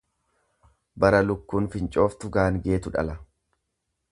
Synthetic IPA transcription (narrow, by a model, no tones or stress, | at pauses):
bɐɾɐlʊkːuːnfɪnt͡ʃʼo̞ːft̪ʊɡaːnɡe̞ːt̪ʊᶑɐ̰lɐ